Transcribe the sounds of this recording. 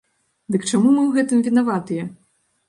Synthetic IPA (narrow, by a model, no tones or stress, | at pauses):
d̪ɨkt͡ʂamumɨwɣɛt̪ɨmvʲin̪avat̪ɨjɛ